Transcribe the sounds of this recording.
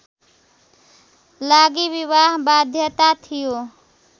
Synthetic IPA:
laɡiβiβaɦbad̪ʱjət̪at̪ʰijo

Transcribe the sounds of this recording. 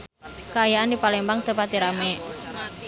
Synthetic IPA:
kaajaʔandipalembaŋt̪əpat̪̚iɾame

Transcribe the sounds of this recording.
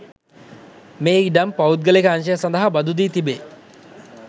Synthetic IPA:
meːiɖampawut̪̚ɡəlekəanʃəjasand̪əɦabɐd̪ud̪iːt̪ibe

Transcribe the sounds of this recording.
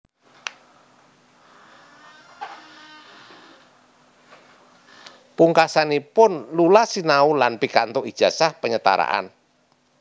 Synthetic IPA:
puŋkasanipʊnlulasinaulanpikant̪oʔid̥ʒ̥a̤sahpəɲət̪a̰ɾa̰ʔa̰n

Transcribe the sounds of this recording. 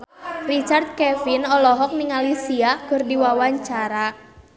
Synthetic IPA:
rit͡ʃart̪̚kɛfinɔlɔɦɔk̚niŋalisiakʊrdiwawaɲt͡ʃaɾa

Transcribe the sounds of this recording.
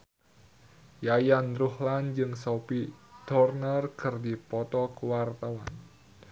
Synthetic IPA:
jajanruhland͡ʒɨŋsɔpid̪̥ɔrnərkʰərdipɔt̪ɔkəwart̪awan

